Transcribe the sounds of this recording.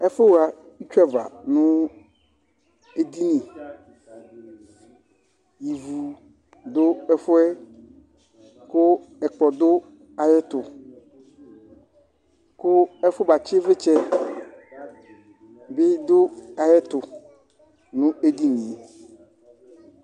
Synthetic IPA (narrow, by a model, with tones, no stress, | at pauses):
ɛ˦fʊ˦ɣa˨i˦t͡ʃᶣɛ˦va̰˨nʊ̃˦ | e˦di˦nĩ˨ | ji˨vu˨ | dʊ˦ɛ˦fʊ˦ɛ˦ | kʊ˦ɛ˨k͡pɔ˨dʊ˦ | a˨jɛ˦tʊ˨ | kʊ˦ɛ˦fʊ˦ba˨t͡ɕɪ˦vɪ˦t͡ʃɛ˨ | bɪ˦dʊ˦a˨jɛ˦tʊ˨ | nʊ̃˦e˦di˦nĩ˨